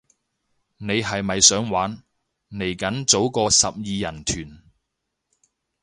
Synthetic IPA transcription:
ne˨˧jɦɐ˨jmɐ˨jsœː˨˥ŋwaː˨˥n | ne˨˩jkɐ˨˥nt͡so˨˥wkɔː˧sɐ˨p̚jiː˨˧jɐ˨˩nt̪ʰyː˨˩n

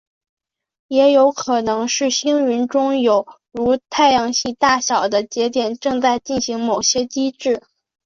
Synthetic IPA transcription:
jɛ˧˥jo˧˥ʊkʰɤ˨˩nɤ˧˥ŋʂɻ̩˥˩ɕi˥ŋɥy˧˥nʈ͡ʂʊ˥ŋjo˨˩ʊ | ɻu˧˥t̪ʰa˥˩ɪjɑ˧˥ŋɕi˥˧t̪a˥˩ɕjɑ˨˩ʊd̪ə˦t͡ɕjɛ˧˥t̪jɛ˨˩nʈ͡ʂɤ˥˧ŋt͡sa˥˧ɪt͡ɕi˥˩nɕi˧˥ŋmo˨˩ʊɕjɛ˥t͡ɕi˥ʈ͡ʂɻ̩˥˩

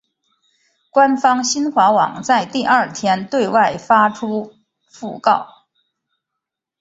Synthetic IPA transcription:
kwa˥nfɑ˥ŋɕi˥nxwa˧˥wɑ̰˨˩ŋt͡sa˥˧ɪt̪i˥˧ɐ˥˩t̪ʰjɛ˥nt̪we˥˧ɪwa˥˩ɪfa˥ʈ͡ʂʰu˥ | fṵ˥˧kɑ˥˩ʊ

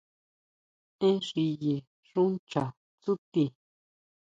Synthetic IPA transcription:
ẽ˦ʂi˧je˨ | ʂũ˦nt͡ʃa˨ | t͡su˦t̪i˧˨

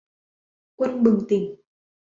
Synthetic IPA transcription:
kwə˧nɓɨ˨˩ŋt̪ï˨˩ŋ

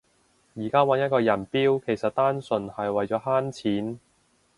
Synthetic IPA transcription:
jiː˨˩kaː˥wɐ˨˥njɐ˥t̚kɔː˧jɐ˨˩npiː˥wkʰe˨˩jsɐ˨t̚t̪aː˥nsɵ˨nhɐ˨jwɐ˨jt͡ʃɔː˨˥ɦaː˥nt͡sʰiː˨˥n

